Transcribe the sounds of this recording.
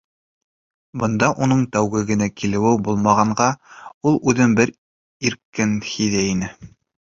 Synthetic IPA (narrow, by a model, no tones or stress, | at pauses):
bɤ̆nd̪ɑʔunɤɴt̪æwɡɘɡɘ̆nækʰilɘ̆wɘbulˠmɑʁɑɴɢɑulˠʉðɘŋbɘɾ | iɾkɘnhiðæinɘ